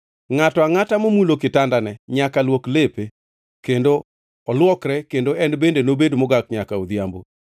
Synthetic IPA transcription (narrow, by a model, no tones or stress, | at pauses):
ŋatɔaŋatamomulokɪtandanɛɲakalwoklepe | kendo | ɔlwɔkɾɛkendoɛnbendenobedmɔɡakɲakaod̪jambo̰